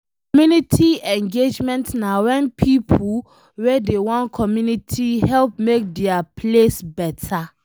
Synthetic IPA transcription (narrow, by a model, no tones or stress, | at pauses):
kɔmjunitʰiɛ̃ŋɡed͡ʒmɛ̃ntnawɛ̃npʰipʰu | wedewɔ̃nkʰɔmjunitʰihɛlp̚mek̚dɛapʰlesbɛtʰa